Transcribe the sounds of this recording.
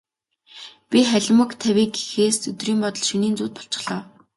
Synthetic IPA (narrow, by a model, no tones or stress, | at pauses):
pʲiχæɮʲmə̆kt̪ʰæwiːɡe̥xeːsɵt̪riːmpɔt̪ɞ̆ɮʃɵniːnt͡suːt̪̚pɔ̥ɬt͡ɕɪ̥̆ɮɔː